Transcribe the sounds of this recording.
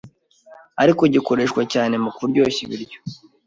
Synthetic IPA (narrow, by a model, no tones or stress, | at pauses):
aɾiko̞ɟiko̞ɾe̞ːʃkwacaːne̞mukuɾɟo̞ːçḭβḭɾɟo̥